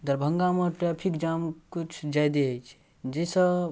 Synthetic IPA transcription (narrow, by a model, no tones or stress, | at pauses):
d̪əɾbʱəŋɡameʈɾapʰikd͡ʒamkut͡ʃʰd͡ʒajd̪eəjt͡ʃʰ | d͡ʒesə